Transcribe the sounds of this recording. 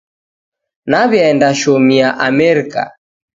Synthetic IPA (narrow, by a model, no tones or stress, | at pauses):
naβjɛndaʃɔmiaʔamɛɾika̰